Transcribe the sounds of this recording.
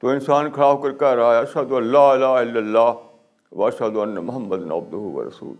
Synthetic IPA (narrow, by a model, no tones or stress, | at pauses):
t̪oːɪnsaːnkʰɐɽaːʋkɐɾkaɾɐɦaːeɐʃhɐd̪ʊɐnːaːɪlaːɪlːɐlːaː | ʋɐɐʃhɐd̪ʊɐnːɐmʊɦɐmːɐd̪nɐ̰b̚d̪ʊɦuʋɐ̰ɾɐ̰sṵːl